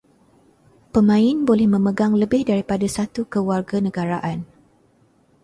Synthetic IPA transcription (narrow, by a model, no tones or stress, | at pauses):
pəmãɪnbolɛhmə̃məɡaŋləbɪhdaɾipadasat̪ukəwarɡanə̃ɡaɾaʔan